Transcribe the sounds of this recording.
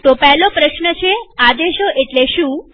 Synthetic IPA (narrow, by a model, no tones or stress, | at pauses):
t̪opɛɦlopɾəʃnət͡ʃʰead̪eʃoʔeʈleʃũ